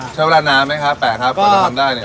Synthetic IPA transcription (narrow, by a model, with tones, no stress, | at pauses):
a˥˩wlaː˥˩naː˦˥mːa˦˥jkʰa˦˥p̚pɛː˨˩kʰa˦˥p̚ʰːa˧˩t̪ʰa˧mdaː˥˩jni˥˩